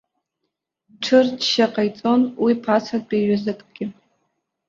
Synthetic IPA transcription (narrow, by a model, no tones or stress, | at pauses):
ʈ͡ʂʰɨrdʃaqʼajt͡sʼo̞nwipʰat͡sʰatbʼeɥazɨkʼɡ̥ʲɪ